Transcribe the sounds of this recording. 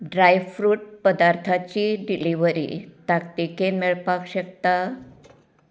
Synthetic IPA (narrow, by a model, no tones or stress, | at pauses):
ɖɾajʋfɾuːʈ̚pəd̪aɾt̪ʰat͡ɕiɖiliʋəɾḭt̪akt̪ikenmeɭpakɕəkt̪a